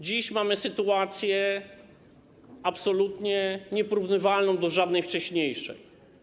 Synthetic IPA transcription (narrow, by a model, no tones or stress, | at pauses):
d͡ʑiɕmamɘsɘt̪uat̪sʲjɛ | apsɔlut̪ɲɛɲɛpɔɾuvnɘvalnɔ̃w̃d̪ɔʐad̪nɛjft͡ʂɛɕɲejʂɛ̰j